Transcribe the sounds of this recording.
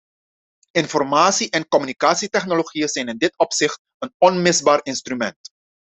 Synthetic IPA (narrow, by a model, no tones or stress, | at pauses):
ɪnfɔrmaːtsiʔɛnkɔmynikaːtsitɛχnoloχijəzɛjnɪndɪtɔpsɪxt | ənɔnmɪzbaːrɪnstrymɛ̰nt